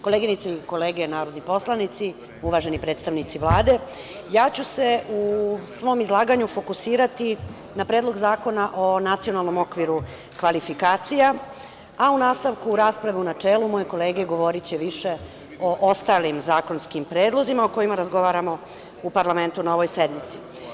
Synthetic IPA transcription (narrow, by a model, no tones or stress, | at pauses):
ko̞leːɡinit̪saiko̞leːɡenaːɾo̞d̪nipo̞slˠanit̪si | uʋaʒe̞nipɾe̞ːt̪st̪aʋnit̪siʋlˠaːd̪e̞ | jaːt͡ɕuse̞usʋo̞ːmizlˠaːɡaɲufo̞kusiːɾat̪i | napɾed̪lˠo̞ɡzaːko̞naʔo̞nat̪sio̞nalˠno̞mo̞kʋiɾu | kʋalifikaːt̪sija | aunaːst̪aʋkuːɾaːspɾaʋeunat͡ʂeːlumo̞jeko̞le̞ːɡeɡo̞ʋo̞ɾit͡ɕeʋiʃe̞ | o̞ʔost̪alimzaːko̞nskimpɾeːd̪lˠo̞zimaoko̞jimaɾazɡo̞ʋaːɾamo̞ | upaɾlame̞nt̪unaoʋojse̞d̪nit̪si̥